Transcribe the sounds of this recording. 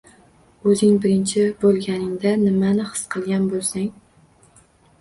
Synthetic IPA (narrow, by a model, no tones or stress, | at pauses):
ɵzɪŋbɪɾɪnt͡ʃʰɪbolˠɡʲanɪŋd̪anɪmanɪχɨ̥sqʰɨlˠɡʲanbolˠsaŋ